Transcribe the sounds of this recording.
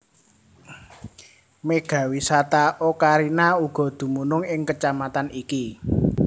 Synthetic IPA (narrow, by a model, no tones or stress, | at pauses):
meɡ̥ä̤wisat̪aʔokaɾinauɡ̥ɔ̤d̪̥ṳmunʊŋɪŋkət͡ʃamat̪aniki